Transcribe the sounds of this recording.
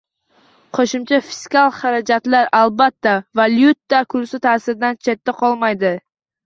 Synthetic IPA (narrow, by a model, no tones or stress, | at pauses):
qʰoʃʊmt͡ʃʰafi̥skalˠχaɾad͡ʒat̪laɾalˠbat̪ːavaljut̪ːakʰʊɾsɪt̪ʰaːsɪɾɪd̪ant͡ʃʰe̞t̪ːaqʰɒlˠmajd̪ɪ